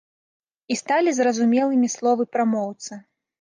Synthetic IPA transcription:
ist̪alʲizrɐzumʲɛlˠɨmʲislˠɔvɨpɾamɔwt̪sɐ

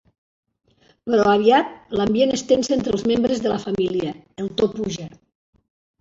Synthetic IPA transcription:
pəɾɔaβ̞iat̪̚lambjenəst̪enseent̪ɾəlˠzmembɾəzðələfamiliəːlˠt̪opuʒe

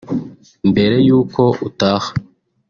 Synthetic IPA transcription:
mbe̞ɾe̞juːko̞utaːhḁ

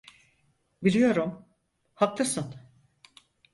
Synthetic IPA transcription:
bilʲijo̞ɾum | hak̚lasɯn

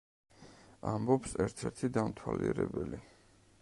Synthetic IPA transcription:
ambɔpsɛɾt̪ʰɛɾt̪ʰid̪amt̪ʰwaliɛɾɛbɛli

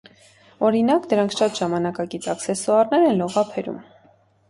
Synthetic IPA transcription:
ɔɾinɑkd̪əɾɑŋkʰʃɑt̪ʒɑmɑnɑkɑkit͡sɑksɛsɔɑɾnɛɾɛnlɔʁɑpʰɛɾṵm

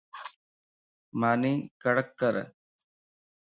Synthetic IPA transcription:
mɐnikɐɽɐkːɐɾɐ̰

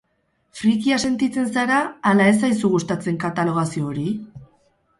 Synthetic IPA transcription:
fɾikiase̞nt̪it͡se̞nsaɾaːlae̞s̬ajsuɣust̪at͡se̞ŋkat̪alo̞ɣ̞asio̞ːɾi

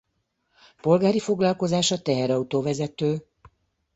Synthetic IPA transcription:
po̞lɡaːɾifo̞ɡlɒlko̞zaːʃɒt̪ɛɦɛɾɒut̪oːvɛzɛt̪øː

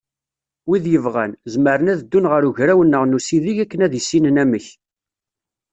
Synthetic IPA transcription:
wiðjəvʁænzməɾənæðəd̪ːunʁəɾuʝɾæwənːəʁnusiðiʝækːənæðisːinənæməç

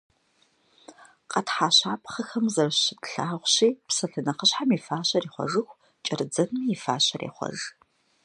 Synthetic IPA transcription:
qʼɐtħaːɕaːpʼχɐxɐmzɐrɕɪtɬaːʁʷɕiːpsɐɬɨnɐqəɕħamifaːɕɐriːχʷɔ̰ʐɨxʷ | t͡ʃʼɐrɨd͡zɐnmijɪfa̰ːɕɐrḛːχʷɔ̰ʒ

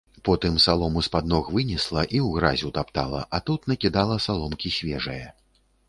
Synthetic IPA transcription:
pɔt̪ɨmsalˠɔmuspad̪nɔxvɨnʲislˠɐʔiwɣɾazʲut̪apt̪alˠɐ̰ʔɐt̪ut̪nɐkʲid̪alˠɐsalˠɔmkʲisʲvʲɛʐɨjɐ

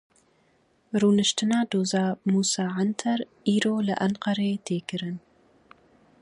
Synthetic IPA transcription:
ruːnɨʃtʰɨnaːdoːzaːmuːsaːʕantʰɐr | iːɾoːlɐʔɐnqɐɾeːtʰeːkɨɾɨn

